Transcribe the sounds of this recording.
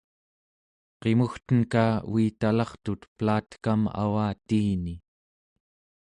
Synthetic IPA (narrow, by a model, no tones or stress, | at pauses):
qe̞muxt̪ənkaːuiːt̪alɑχt̪ut̪plaːt̪kama̰waːt̪iːni